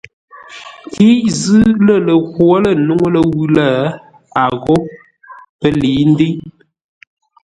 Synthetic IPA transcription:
ki˦zɨ˦lə˦˨lə˨ɣwo˦lə˨nu˦ŋo˦lə˦˨wʉ˦la˦˨ | a˨ɣɔ˦ | pə˦liː˨˦n̩˦di˦

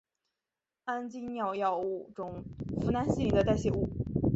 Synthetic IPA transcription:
a˥nt͡ɕi˥njɑ˥˧ʊjɑ˥˧ʊu˥˩ʈ͡ʂʊ˨˩˦ŋfu˧˥na˧˥nɕi˥˩d̪ə˦t̪a˥˧ɪɕjɛ˥˧˩u˥˩

